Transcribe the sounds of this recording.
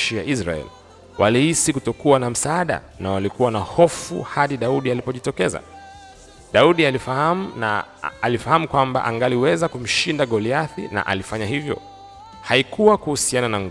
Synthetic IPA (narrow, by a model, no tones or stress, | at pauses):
ʃijaʔisɾa̰ɛ̰li | walihisikutɔkuwanam̩saaɗa̰ | nawalikuwanahɔfṵhaɗiɗauɗialipɔʄitɔkɛza̰ | ɗauɗialifahamna̰alifahamukwamba̰ʔaŋɡaliwɛzakum̩ʃindaɠɔliaθḭna̰ʔa̰lifaɲahivjɔ̰ | haikuwakuhusiananaŋɡ